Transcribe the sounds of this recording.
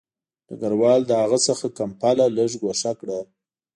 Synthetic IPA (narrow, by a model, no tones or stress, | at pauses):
d̪ə̰ɡaɾwɑld̪əhaɣəsəxakampalaləʐɡaʂakɽa